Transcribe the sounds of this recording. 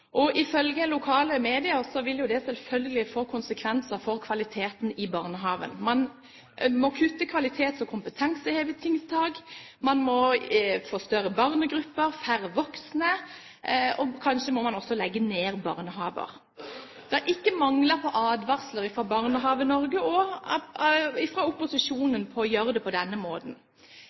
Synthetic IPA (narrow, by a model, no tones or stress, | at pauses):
ʔɔʔɪfœlɡəlʊkʰɑːləmeːd̪ɪəʁsɔʋɪljʊd̪ɛsɛlfœlɡəlɪfoːkʰʊnsəkʰʋɛnsəʁfɔʁkʰʋɑlɪt̪ʰeːt̪n̩ɪbɑːʁnəɦɑːʋə̰nmɑn | mɔkʰʉt̪ːəkʰʋɑlɪt̪ʰeːt̪sɔkʰʊmpət̪ʰɛnsəheːʋət̪ʰɪŋst̪ʰɑːɡmɑnmɔfoːst̪œɾəbɑʁnəɡɾʉpːəɾfæɾəʋɔksnə | ɔkʰɑnʃəmɔmɑnɔsːɔlɛɡːəneːʁbɑ̰ːʁnəɦɑ̰ːʋə̰ʁ | d̪̥ɛæɾʔɪkːəmɑŋləʁpʰɔʔɑːd̪ʋɑʁsləʁɪfɾɑbɑːʁnəɦɑːʋənɔɾɡəɔ | ɪfʁɑʊpːʊsɪʂuːnənpʰɔjøːɾəd̪ɛpʰɔd̪ɛnːəmoːd̪n̩